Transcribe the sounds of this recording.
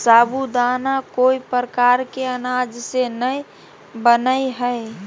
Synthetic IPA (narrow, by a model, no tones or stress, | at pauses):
saːbud̪aːnakoːipɾəkaːɾkeənaːd͡ʒsenəi | bənəiɦəe